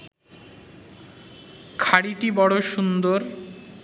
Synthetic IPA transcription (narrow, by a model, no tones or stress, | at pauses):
kʰaɽiʈibɔɽoʃund̪oɾ